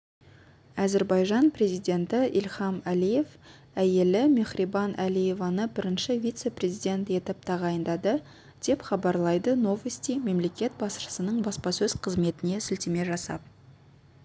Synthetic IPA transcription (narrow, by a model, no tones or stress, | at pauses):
æzeɾbɑjʒɑnpre̞zijd̪ʲe̞nt̪ɪʔilχɑmælije̞v | æje̞lɪmeχribɑnʔælije̞vɑnəbɪɾɪnʃɪvʲijt̪se̞prʲe̞zijd̪ʲe̞nt̪e̞t̪ɪp̚t̪ʰɑʁɑjənd̪ɑd̪ə | d̪̥e̞pχɑbɑɾlˠɑjd̪əno̞vəst̪ijme̞mle̞kʲe̞t̪̚bɑsəsənəɴbɑspɑsɵzqʰəzme̞t̪ɪnesʏlt̪eme̞ʒɑsɑ̰p̚